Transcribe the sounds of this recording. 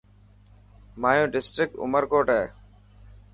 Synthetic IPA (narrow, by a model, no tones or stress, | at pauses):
maːjũːɖɪsʈɾɪk̚ʈʊ̰məɾkoːʈɛː